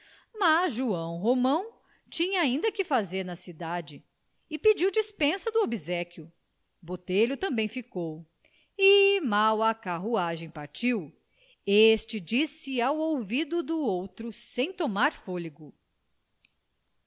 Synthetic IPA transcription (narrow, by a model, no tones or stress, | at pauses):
mazʒuɐ̃w̃ɦomɐ̃w̃ | t͡ʃĩɲɐaĩnd̪ɐkɪfazeɾnɐsid̪ad͡ʒɪ | ɪpid͡ʒiwd͡ʒispẽsɐd̪ʊobizɛkjʊ | bot̪eʎʊt̪ɐ̃mbẽj̃fikow | imawɐkaɦuaʒẽj̃paɾt͡ʃiw | est͡ʃɪd͡ʒisɪawowvid̪ʊd̪uowt̪ɾʊsẽj̃t̪omaɾfoliɡʊ